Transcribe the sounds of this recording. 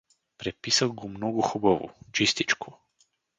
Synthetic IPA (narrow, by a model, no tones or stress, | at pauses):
pɾɛpisavɡɔmnɔɡuxɔbavṵt͡ʃist̪it͡ʃkʰu